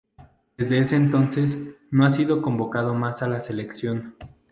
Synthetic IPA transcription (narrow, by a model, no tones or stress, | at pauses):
d̪ezðe̞ese̞ːnt̪o̞nse̞s | no̞as̬iðo̞ko̞mbo̞kað̞o̞masalase̞le̞ksjo̞n